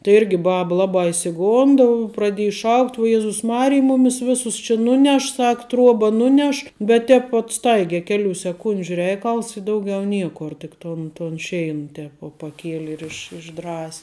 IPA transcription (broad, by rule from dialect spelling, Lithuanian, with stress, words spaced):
tɐɪ ˈɪrʲɡʲɪ ˈbɑːbɐ ˈlˠɑːbɑː ɪʃʲsʲɪˈɡoːndɐ prɐˈdʲiɛjɪ ˈʃɐʊkt uɔ ˈjæːzʊs ˈmɑːrʲɪj ˈmʊmʲɪs ˈʋʲɪsʊs t͡ʃʲɪ ˈnʊˌnʲɛʃ ˈsɐk ˈtruɔbɐ ˈnʊˌnʲɛʃ bʲɛt ˈtʲɛːp ʋuɔt ˈstɐɪɡʲɛ ˈkʲæːˌlʲuː sʲɛˈkʊnʲd͡ʒʲʊ ˈrʲɛɪkɐlˠs ɪ ˈdɐʊˌɡʲɛʊ ˈnʲiɛkoːr tʲɪk ˈtoːn toːn ˈʃʲɛɪn ˈtʲɛːp ʋuɔ pɐˈkʲiɛlʲɪ ɪr ɪʃ ɪʒˈdrɐsʲ